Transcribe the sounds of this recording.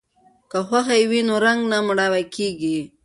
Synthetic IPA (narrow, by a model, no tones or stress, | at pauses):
kaxwaxajwinoɾaŋɡnamɽawakʰeɡi